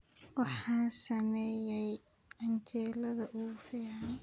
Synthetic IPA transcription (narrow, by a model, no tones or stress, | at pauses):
wɑħɑːnsɐmɛːjɛj | ʕɑnt͡ʃɛːlɐðɐʔuːfiːɑn